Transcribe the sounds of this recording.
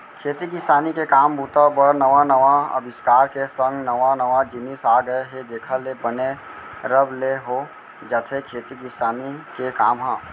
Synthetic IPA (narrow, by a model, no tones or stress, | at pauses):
kʰeːt̪ikɪsaːnikekaːmbʱuːt̪abəɾnɐʋanəʋaɐ̰bɪskaːɾkesə̃ŋɡnɐʋãnɐʋad͡ʒɪnisaːɡəeɦed̪eːkʰalebəne | ɾəbleɦoː | d͡ʒət̪ʰekʰeːt̪ikɪsaːnikekaːmɦãː